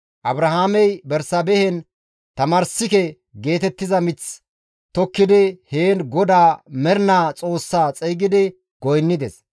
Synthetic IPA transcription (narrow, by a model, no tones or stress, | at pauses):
ʔɐbɾɐhaːmɛjbɛɾsɐbɛhɛn | t̪ɐmaːɾsɪkɛ | ɡe̞ːt̪ɛt̪ːɪzɐmɪt͡s | t̪ɔkːɪd̪ɪheːnɡɔd̪aːmɛɾnaːt͡sʼo̞ːsːaːt͡sʼɛjɡɪd̪ɪ | ɡ̥ɔjnːɪd̪ɛs